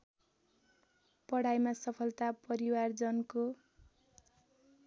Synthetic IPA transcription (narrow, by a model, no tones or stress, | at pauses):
pʌɽajmasʌpʰʌlt̪apʌɾiward͡zʌnko